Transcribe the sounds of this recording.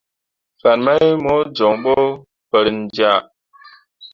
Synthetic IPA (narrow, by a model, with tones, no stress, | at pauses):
fa˨nma˦jmo˨˦d͡ʒɔ˨ŋɓɔ˦ | pə˨ɾn̩˨d͡ʒja˦˨